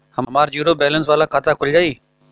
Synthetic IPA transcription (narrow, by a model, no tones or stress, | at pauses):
həmmaːɾjuːɾoːbɛːləns̬ʋaːlaːkʰaːt̪aːkʰʊld͡ʒaːiː